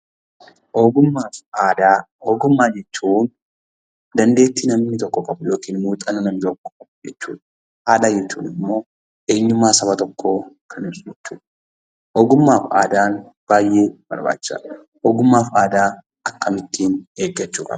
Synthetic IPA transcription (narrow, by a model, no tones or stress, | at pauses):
ʔoːɡʊmːaːfaːd̪aː | oːɡʊmːaːd͡ʒɛt͡ʃːuːn | d̪ɐnd̪e̞ːt̪ːinɐmnɪt̪ɔkːɔkʼɐbʊjo̞ːkiːnmuːt̪ʼɐnɐnɐmɪt̪ɔkːɔ̥kʼɐbʊd͡ʒɛt͡ʃːṵːᶑ | haːᶑɐd͡ʒɛt͡ʃːṵːnɪmːo̞ː | ʔe̞ːɲːʊmːaːsɐbɐt̪ɔkːoːkʰɐnɪbsd͡ʒɛt͡ʃːuːᶑ | ʔoːɡʊmːaːfa̰ːd̪aːnb̥aːjʔe̞ːb̥ɐ̰ɾba̰ːt͡ʃːɪ̥sa̰ | ʔoːɡʊmːaːfaːd̪aː | ɐkːɐmɪt̪ːiːne̞ːɡːɐt͡ʃːuːkʼɐ̰bɐ